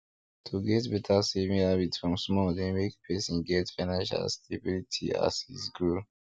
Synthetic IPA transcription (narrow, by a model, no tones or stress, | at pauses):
tʰuɡɛtbɛtʰasevĩŋabitfɹɔ̃msmɔdẽmekpʰɛsĩnɡɛtfanãʃa̰stʰebilitʰḭa̰shḭsɡɹul